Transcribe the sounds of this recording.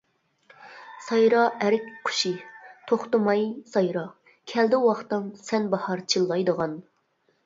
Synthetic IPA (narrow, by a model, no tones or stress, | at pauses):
sɑjɾɑʔæɾɪkʲqʰʊ̥ʃit̪ʰoχt̪ɨmɑjsɑjɾɑ | kʲʰɛld̪ɪwɑχt̪ɨnsɛnbɑhɑɾt͡ʃʰilˠːɑjd̪əʁɑn